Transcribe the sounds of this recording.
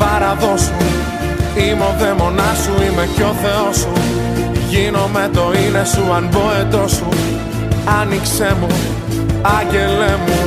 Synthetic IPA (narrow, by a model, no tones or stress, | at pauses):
pɐɾɐðo̞su | imo̞vemo̞nɐsuimeco̞θe̞o̞su | ʝino̞met̪o̞inesuɐnboet̪o̞su | ɐnikse̞mu | ɐɲɟe̞lemu